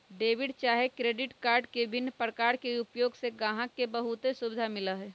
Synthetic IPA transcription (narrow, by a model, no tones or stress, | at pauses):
ɖeːʋɪɖt͡ʃaːɦekɾeːɖɪʈkaːɾɖkebʱɪnːəpɾəkaːɾkeupjoːɡseɡãːɦãkebəɦut̪esʊbɪd̪ʱamɪləɦɛ